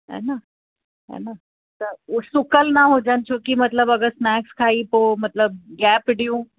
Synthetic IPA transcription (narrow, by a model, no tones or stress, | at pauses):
ɛ̰na | ɛ̰na | t̪əɾsukəlnaɦod͡ʑant͡ɕʰokiːmət̪ləbəɡəsnækskʰaiːpomət̪ləb̚ɡæpɖjũː